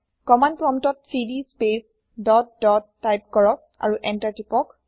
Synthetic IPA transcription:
kɔmandpɹɔmtɔtsidispes | dɔt̚dɔtːajp̚kɔɹɔk̚a̰ɹuʔɛntaɹtipɔk

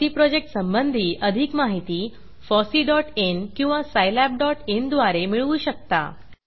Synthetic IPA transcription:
t̪iːpɾɔd͡ʑek̚ʈsəmbənd̪ʱiːʔəd̪ʱikmaɦit̪iː | fɔsiːɖɔʈenkĩw̃ʋasajlæp̚ɖɔʈend̪ʋaɾemiɭuːɕək̚t̪a̰

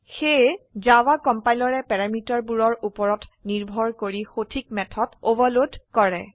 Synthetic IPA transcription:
xezawakɔmpajlɔɹɛpɛɹamitɔɹbuɹɔɹupɔɹɔtniɹbʱɔɹkoɹixotʰikmɛtʰɔtobalodkɔɹɛ

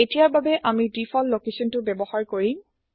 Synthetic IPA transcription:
etijaɹbabɛʔamidifʰɔlːokesɔntʊbɛbɔxaɹkoɹĩ

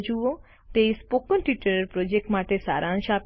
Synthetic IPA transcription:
d͡ʒuʋo | t̪espokə̃nʈiʈəɾɾpɾod͡ʒek̚ʈmaʈesa̰ːɾʔãːnʃap

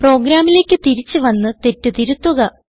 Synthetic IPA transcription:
pro̞ːɡɾaːmile̞ːkʲːɨt̪iɾit͡ɕːɨʋɐnːɨt̪e̞tːɨt̪iɾut̪ːuɣɐ

